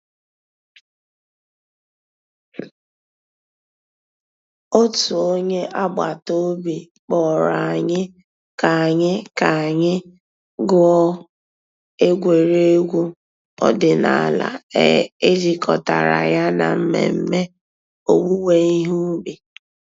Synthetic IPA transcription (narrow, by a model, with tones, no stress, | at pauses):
o˦tu˨o˦ɲe˦ʔa˦ɡ͡ba˨to˦bi˨ | k͡pɔ˨ɾa˨a˨ɲɪ˦ | ka˨a˨ɲɪ˦ka˨a˨ɲɪ˦ | ɡʊ˦ɔ˦ | e˦ɡʷe˨ɾe˦e˦ɡʷu˦ | ɔ̰˦dɪ˨na˨la̰˨ḛ˦e˦d͡ʒi˦kʰɔ˨ta˨ɾa̰˨ja˦na̰˨m̩˦mḛ˨m̩˦me˦ | o˨wu˦we˦i˦ɦu˦bi˨